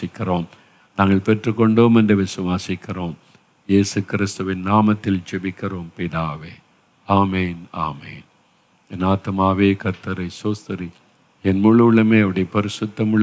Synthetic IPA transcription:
ɪkːɪroːm | naːŋɡɐɭpɛʈrɯkːɔɳɖoːmɛndreʋɪsʊʋaːsɪkːɪroːm | jeːsɯkɪɾɪst̪ʊʋɪnnaːmɐt̪ːɪlt͡ʃɛbɪkːɪroːmpɪðaːʋeː | aːmeːna̰ːmḛːn | ɛnaːt̪maːʋeːkɐɾt̪ːɐɾɐɪsoːst̪ɐɾi | ɛnmuːɭɭɐmeːɐʋɐɽɐjɐpɐɾɪsʊt̪ːɐmɯɭ

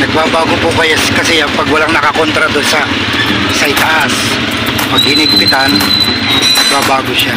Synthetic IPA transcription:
nɐɡ̚baːbaːɡopʊkɐjaskɐsɛjapɐɡwɐlaŋnɐkɐkont̪ɾɐd̪onsɐ | sɐɪt̪aʔas | pɐɡhɪnɪɡ̚pɪt̪an | nɐɡ̚baːbaːɡoʃa

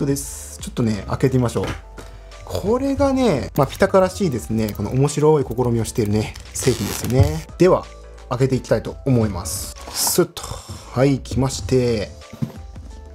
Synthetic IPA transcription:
t̪od̪e̞sɨ̥ | t͡ɕo̞t̪ːo̞ne̞a̰ke̞t̪e̞mʲimaɕo̞̰ː | kʰo̞ɾe̞ɡane̞mapʲi̥t̪akaɾaɕiːd̪e̞sɨne̞ko̞noʔomo̞ɕiɾo̞iko̞ko̞ɾomʲio̞ɕi̥t̪e̞ɾɯ̟ne̞se̞ːçʲĩnd̪e̞sɨjo̞ne̞d̪̥e̞βa̰ː | ke̞t̪e̞ikʲi̥t̪ait̪o̞ːmo̞ima̰sɨ̥sɨt̪ːo̥haikʲʰimaɕi̥t̪e̞

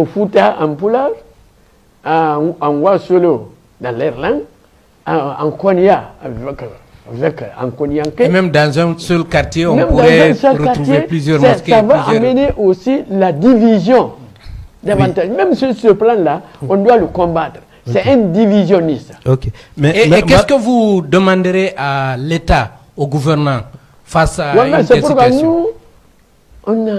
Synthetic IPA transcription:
ofutaã̰mpulaɾ | ãnwasolo | dãlɛɾlãnd | aã̰ŋkɔnijavɛkvɛkã̰ŋkoniãŋkẽmɛ̃mdãzɛ̃sɔlkaɾt̪jeɔ̃mɛ̃mpdãɾɛzɛsɛlaɾutjeelizjɾsɛavaãmeneʔosiladivizjɔ̃ | davãtaʒmɛ̃msyɾsəplãlaɔ̃ndwaləkɔ̃mbat̪ɾ | sɛʔɛndivizjɔ̃nisokemɛkɛkəvudəmãndəɾeʔaleta | oɡuvɛɾnã | fasawamsɛpuɾkɔnu | ɔ̃na

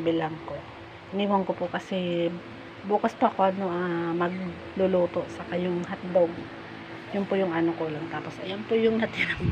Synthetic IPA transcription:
bɪlɐŋko | niːwɐŋkopʊkɐsɛ | buːkɐspoʔɐko̞ʔɐnoʔɐmɐɡ̚ | lʊluːt̪o̞ʔsɐkajʊŋɦɐt̪̚d̪oŋ | jʊnpʊjʊŋʔɐnokolɐŋt̪aːposʔɐjanpʊjʊŋnɐt̪ɪɾɐ

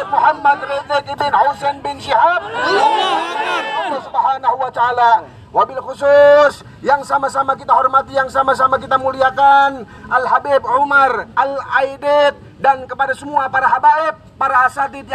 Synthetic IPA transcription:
muhamːad̪red͡ʒɛk̪id̪ɪnawsɛnbɪnʃiɦab̚aananalːasubaɦanahuwat̪aːla | wabɪlkusʊs | jaŋsamasamakit̪aɦɔrmat̪ijaŋsamasamakit̪amuliakanʔalɦabib̚ʕumarʔalajdɛt̪̚ | dankəpadasəmuapaɾaɦabaɛp̚ːaɾaɦasat̪it̪

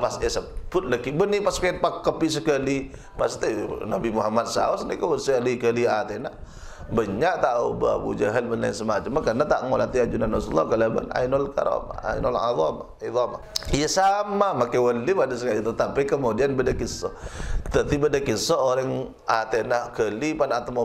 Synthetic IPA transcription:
pasɛsəpʊt̪̚ləkibənipaskaɛn̚pakːəpisəkəli | past̪inabimuɦamad̪̚sa̰ɔsnikawəsəlikəliat̪ena | bəɲaʔt̪aubə̰a̰bṵd͡ʒaɦəlbəna̰nsəmat͡ʃamːakarnat̪aʔŋolat̪iad͡ʒunanasulːɔ̰kalabə̰na̰inɔlka̰ɾɔ̰ma̰a̰ḭnɔ̰la̰ðˤɔ̰ma | iðɑmajəsamamakewəlipadasəkalit̪ət̪apakəmodianbədakisɔt̪ət̪ibədakisɔoɾəŋ | at̪enahkəlipanat̪əmo

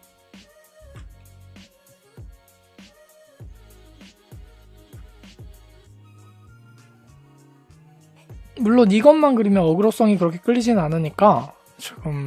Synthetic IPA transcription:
muɭːoniɡʌnmanɡɯɾimjʌnʌɡɯɾos͈ʌŋikɯɾʌkʰe̞k͈ɯʎːid͡ʑinɯnanɯɲik͈a | t͡ɕɯɡɯm

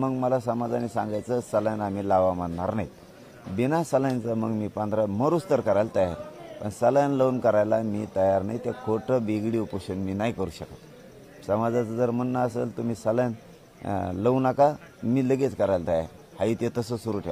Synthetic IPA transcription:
məɡməlasəmad͡zanisãŋɡajt͡səsəljanam̤ilaʋaməɳnaɾnait̪ | binasəljant͡səməɡmiːpə̃nd̪ʱɾaməɾust̪əɾkəɾajlt̪əja̰ɾpə̰ɳsəljanləwnkəɾajlamiːt̪əjaɾnajt̪akʰoʈʰəbiɡɽiupəɕənmiːnajkəɾuːɕəkat̪ | səmad͡zat͡səd͡zəɾm̤ənnːaəselt̪əmiːsəljan | ləʋnaka | miːləɡet͡skəɾajlt̪əja̰ɾ | hait̪et̪əsəsuɾuʈʰe

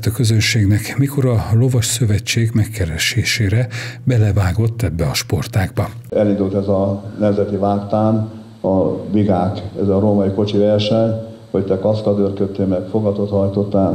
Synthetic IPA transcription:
t̪ɒkø̞zønʃeːɡnɛkmiko̞ɾɒlo̞vɒʃsø̞vɛt͡ʃːeːɡmɛkːɛɾɛʃeːʃeːɾɛbɛlɛvaːɡo̞t̪ːɛbːɛɒʃpo̞rt̪aːɡ̚bɒ | ɛlind̪ult̪ɛzɒnɛmzɛt̪ivaːkt̪aːn | ɒviɡaːkɛzɒɾoːmɒjiko̞t͡ʃivɛrʃɛɲ | hoct̪ɛkɒskɒd̪ørkøt̪ːeːmɛkfo̞ɡɒt̪ot̪hɒjt̪o̞t̪ːaː

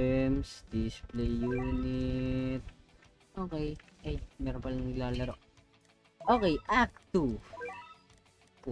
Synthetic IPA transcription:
msd̪ɪsplɛjːuːnɪt̪̚ | ʔoːkɛjʔɐjmɛːɾompɐlŋɪlaːlɐɾoʔ | ʔoːkɛjʔak̚t̪u

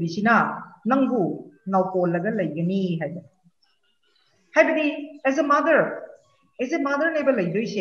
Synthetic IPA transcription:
bisinɐnɐŋbunawkolːɐɡɐlɐjɡɐniɦajbɐdi | hajbɐdiezemɐd̪ɐɾ | ezemɐd̪ɐɾnajbɐlɐjdojse

